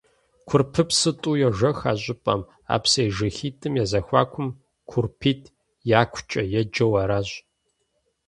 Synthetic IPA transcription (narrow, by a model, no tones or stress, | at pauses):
kʷʰʊrpʰɨpsɨtʼuːjɛʒɐxaːɕʼɪpʼɐ̰m | a̰ːpsejʒɐxiːtʼɨmjazɐxʷa̰ːkʷʰʊm | kʷʰʊrpʰiːtʰ | jaːkʷʰʊt͡ʃʼɐjɛd͡ʒɐwɐɾaːɕ